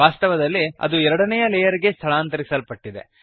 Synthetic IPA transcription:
aːst̪ɐʋɐd̪ɐlːiɐ̰d̪uɛɾɐɽɐnɛjɐlɛjɐɾiɡe̞st̪ʰɐɭaːnt̪ɐɾisɐlpɐʈːid̪e̞̰

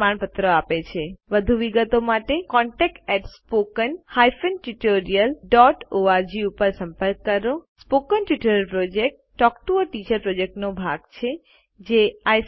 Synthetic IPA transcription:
aɳpət̪ɾəapet͡ʃʰeʋəd̪ʱuʋiɡət̪omaʈekɔɳʈɛk̚ʈɛʈspokənhajfənʈuʈoɾijəlɖɔʈoaɾd͡ʒiupəɾsə̃mpəɾkːəɾospokənʈuʈoɾəlpɾod͡ʒek̚ʈːɔkʈuəɾʈit͡ʃəɾpɾod͡ʒek̚ʈnobʱa̰ɡt͡ʃʰe | d͡ʒeaj

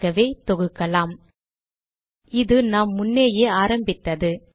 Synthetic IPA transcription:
ɐʋeːt̪ɔɣɯkːɐlaːm | ɪðɯnaːmːʊnːeːjeːaːɾɐmbɪt̪ːɐðɯ

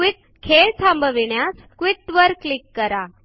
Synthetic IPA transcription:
ʋiʈ̚ | kʰeɭt͡sʰãmbəʋiɳjas | kʋiʈʋəɾklikːəɾa

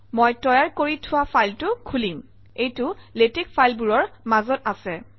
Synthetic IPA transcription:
mojtɔjaɹkoɹitʰʊwapʰajltʊkʰulim | ejtʊletekfʰajlbuɹɔɹmazɔtasɛ

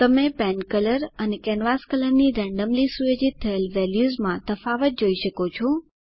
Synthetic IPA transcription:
t̪əmepɛ̃nkələɾənekɛnʋaskələɾniɾɛ̃ɳɖəmlisujod͡ʒit̪ʰːəelʋɛljuzmãt̪əfaʋət̪̚d͡ʒoiʃəkot͡ʃʰo

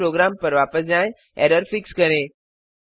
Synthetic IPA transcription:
ɾoːɡɾaːmpəɾʋaːpəs̬d͡ʑãːj̃ | ḛɾəɾfɪkskəɾẽː

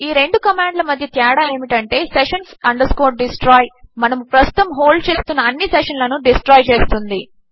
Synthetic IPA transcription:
iːɾe̞ɳɖukɐmaːɳɖlɐmɐd̪ʱjɐt̪jɛːɽaːeːmiʈɐɳʈe̞ːseʂɐnsɐɳɖɐskoːʈ̚ɖisʈɾaːjmɐnɐmupɾɐst̪u̥t̪ɐmɦo̞ːlɖt͡ʃe̞ːst̪unːɐːnːisɛʂɐnlɐnuɖisʈɾaːjt͡ʃe̞ːst̪und̪i

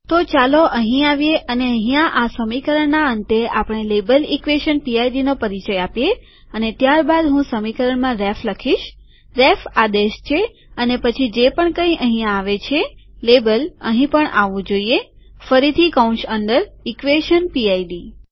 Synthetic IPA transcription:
t̪ot͡ʃaloʔəɦĩaʋjeʔəneəɦijãʔasəmikəɾəɳːaənt̪eapəɽ̃elebəlikʋeʃənpiaiɖinopəɾit͡ʃəjapje | ənet̪jaɾbad̪ɦũsəmikəɾəɳmãɾɛfləkʰiʃ | ɾɛfad̪eʃt͡ʃʰe | ənepət͡ʃʰid͡ʒepəɳkə̃ĩʔəɦĩjãːʋet͡ʃʰelebələ̰ɦĩpəɳʔaʋũd͡ʒoije | fəɾit̪ʰikawũʃənɖ̪əɾikʋeʃənpiaiɖi

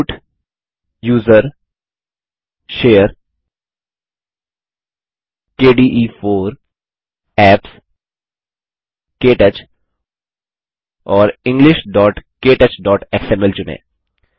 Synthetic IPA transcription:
ʈ | juːzəɾ | ʃeːəɾ | keːɖiːʔiːfoːɾ | ɛːps | keːʈət͡ʃ | ɔːɾɪ̃ŋɡlɪʃɖɔːʈkeːʈət͡ʃɖɔːʈɛksɛ̃mɛlt͡ʃʊnḛː

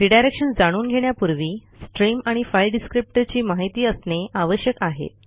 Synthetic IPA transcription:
ɾiɖajɾekʂənd͡zaɽ̃uːnɡʱeɽ̃japuɾʋiː | sʈɾimaɽ̃ifajlɖiskɾip̚ʈət͡ɕiːmaɦit̪iːəsneʔaʋəɕjəkaɦḛ

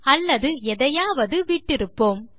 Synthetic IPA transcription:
ɐlːɐðɯɛðɐjaːʋɐðɯʋiːʈːɪɾɯpːoːm

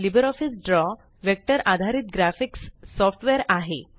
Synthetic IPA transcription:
libəɾɔfisɖɾɔ | ʋek̚ʈəɾʔad̪ʱaɾiːt̪̚ɡɾafiksːɔfʈʋɛɾaɦḛ

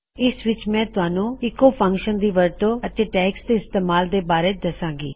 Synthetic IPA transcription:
ɪsʋɪt͡ʃmɛ̃ːt̪ʊɦaːnũːɪkːoːpʰə̃ŋkʃənd̪iːʋəɾt̪oːət̪eːʈɛːksd̪eːɪst̪eːmaːld̪eːbaːɾeːd̪əsãːŋɡḭː

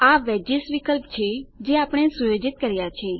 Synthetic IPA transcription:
aʋɛd͡ʒisʋikəlpt͡ʃʰed͡ʒeapɽ̃esujod͡ʒit̪̚kəɾjat͡ʃʰeː

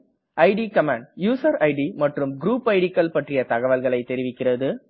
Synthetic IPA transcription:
ʔɐɪɖikɐmaːɳɖjuːsɐɾɐɪɖimɐʈrɯmɡɾuːpːɐɪɽɪkːɐlpɐʈrɪjɐt̪ɐɣɐʋɐlɣɐɭɐɪt̪ːɛɾɪʋɪkːɪrɐðɯ

